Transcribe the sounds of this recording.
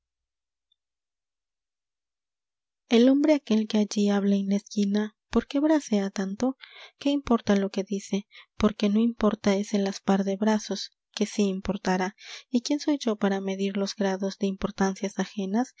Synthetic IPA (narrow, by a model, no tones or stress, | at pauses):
e̞lo̞mbɾe̞ake̞lke̞aʝiaβlaenleskinapo̞ɾkeβɾase̞at̪ant̪o̞ke̞impo̞ɾt̪alo̞ke̞ðise̞po̞ɾke̞no̞impo̞ɾt̪ae̞senlaspaɾðe̞βɾaso̞s | ke̞siːmpo̞ɾt̪aɾaikje̞nso̞jd͡ʒo̞paɾame̞ðiɾlo̞zɡɾaðo̞zðe̞impo̞ɾt̪ansjasaxe̞nas